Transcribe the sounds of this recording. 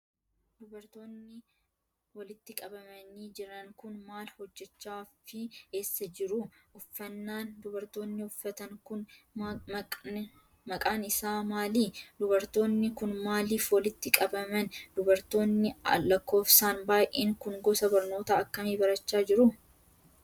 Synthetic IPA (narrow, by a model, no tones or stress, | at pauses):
d̪̥ʊbɐɾt̪oːnːɪ | wɐlɪt̪ːɪkʼɐbɐmɐniːd͡ʒɪɾɐŋkʊnmaːlhɔd͡ʒːɛt͡ʃːaːfɪe̞ːsːɐd͡ʒɪɾʊʔʊfːɐnːaːnd̪ʊbɐɾt̪o̞ːnːɪʊfːɐt̪ɐŋkʊn | mɐkʼaːnɪsaːmaːliːd̪ʊbɐɾt̪o̞ːnːɪkʊnmaːliːfwɐlɪt̪ːɪkʼɐbɐmɐnd̪̥ʊbɐɾt̪o̞ːnːɪɐ̰lɐkːo̞ːfsaːnbaːjʔeːŋkʊŋɡɔsɐbɐɾno̞ːt̪ɐɐkːɐmiːbɐɾɐt͡ʃːaːd͡ʒɪɾʊ